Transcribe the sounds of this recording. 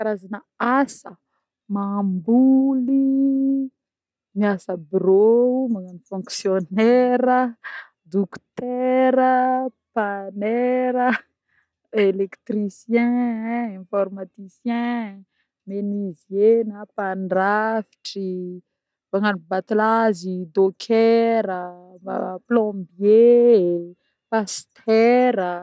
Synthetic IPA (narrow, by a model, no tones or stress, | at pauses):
kaɾazana | asə | mambuli | miasəbroumaŋanifɔ̃ŋksjonɛɾə | d̪ukt̪ɛɾəpanɛɾə | elekt̪risjɛ̃ɛ̃fɔrmat̪isjɛ̃ | menizenapanrafi̥ʈ͡ʂi | baŋanibat̪ulazid̪okʰɛɾəa̰plɔ̃bje | past̪ʰɛɾə